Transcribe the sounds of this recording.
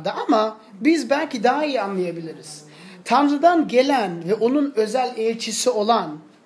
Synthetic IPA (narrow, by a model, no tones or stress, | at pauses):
d̪aʔama | bizbælʲcid̪aɦaijianlˠajabilʲiɾiz̥ | t̪ʰaɾzad̪anɟe̞lʲænvɛʔo̞nunø̞zælʲɛlʲt͡ʃʰisio̞lˠan